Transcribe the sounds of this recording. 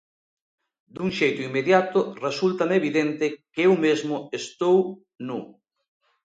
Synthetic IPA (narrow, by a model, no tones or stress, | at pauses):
d̪uŋʃejt̪ʊimːeðjat̪ʊresult̪ameeβiðent̪ɪkewmezmʊest̪ow | nu